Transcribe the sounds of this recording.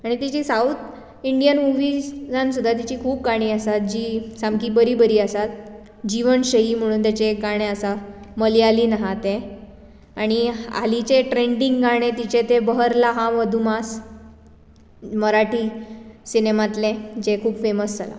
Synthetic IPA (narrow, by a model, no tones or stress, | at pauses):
aɽ̃it̪it͡ɕisawt̪ | iɳɖijənmuʋid͡zansud̪ʱːat̪̬it͡ɕiːkʰuːp̚ɡaɽ̃iːasat̪̚d͡ʑiːsamkiːbəɾiːbəɾiːasat̪̚ | d͡ʑiʋənɕəɦiːm̤əɽ̃uːnt̪at͡ɕeɡaɽ̃eəsaməlialiːnaɦat̪e | aɽ̃ia̰lit͡ɕeʈɾeɳɖiŋɡɡaɽ̃ẽt̪it͡ɕet̪ebəɦəɾlaɦaʋəd̪ʱumas | məɾaʈisinemat̪led͡ʑekʰuːbfeməsd͡zala̰